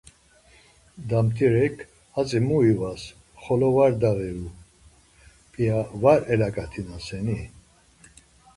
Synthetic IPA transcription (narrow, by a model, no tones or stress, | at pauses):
d̪amt̪ʰiɾɛkʰ | at͡sʼimuivas | χɔlɔvaɾd̪avɛɾu | pʼiavaɾɛlakʼat̪ʰinasɛni